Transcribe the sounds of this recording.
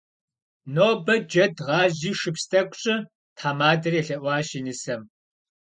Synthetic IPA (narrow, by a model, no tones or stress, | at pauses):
noːbɐd͡ʒɐdʁɑːʑiːʃɨpstʰɐkʷʼɕʼɪ | tʰħaːmaːdɐreːɬɐʔʷɑːʃinɨsɐm